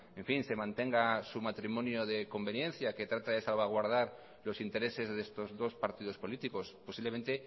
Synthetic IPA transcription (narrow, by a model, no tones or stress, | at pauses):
eɱfinse̞mãnt̪e̞ŋɡasumat̪ɾimõ̞njoðe̞ko̞mbe̞njẽ̞nθjake̞t̪ɾat̪aðe̞salβaɣ̞waɾð̞aɾ | lo̞sint̪e̞ɾe̞se̞zðeest̪ozðo̞spaɾt̪iðo̞spo̞lit̪iko̞sposiβle̞ment̪e̞